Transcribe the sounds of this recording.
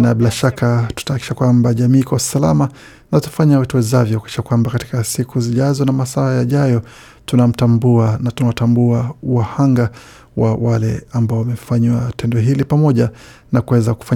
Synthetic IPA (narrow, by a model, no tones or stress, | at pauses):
nabilaʃakatu̥tahaki̥ʃakwambaʄamiːkawasala̰ma | natɔ̥faɲawɛtuwɛzavjɔhuki̥ʃakwambakati̥kasikuziʄazɔnamasaajaʄajɔ | tunam̩tambuanatunawatambuauwahaŋɡa | wa̰walɛambaɔwamɛfaɲwatɛndɔɦilipamɔʄa | nakuwɛzaku̥fa